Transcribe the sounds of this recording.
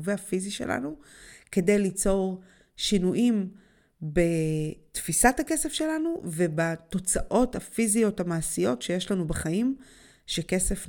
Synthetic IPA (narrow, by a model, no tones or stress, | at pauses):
veafiziʃḛlʔa̰nu | ke̞de̞jlit͡so̞ʁ | ʃinuʔim | be̞tfisathake̞se̞fʃe̞lanuve̞bato̞t͡saʔo̞thafizijo̞thamaːsijo̞tʃe̞jeʃlanubeχaim | ʃeke̞se̞f